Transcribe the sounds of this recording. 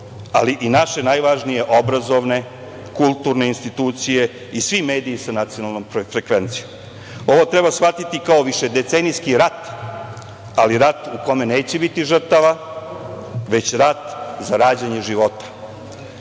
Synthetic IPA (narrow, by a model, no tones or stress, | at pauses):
a̰liʔinaʃe̞najʋaʒnije̞ʔobɾazo̞ʋne̞ | kulˠt̪uːɾne̞inst̪it̪uːt̪sije̞ | isʋime̞ːd̪iːsanat̪sijo̞nalˠnomɾfɾekʋe̞nt̪sijom | o̞ʋo̞t̪ɾebasxat̪it̪ikao̞ʋiʃed̪e̞t̪senijskiɾat̪ | aliɾat̪uko̞me̞neːt͡ɕebit̪iʒr̩t̪aʋa | ʋe̞t͡ɕɾat̪zaɾaːd͡ʑaɲe̞ʒiʋo̞t̪ḁ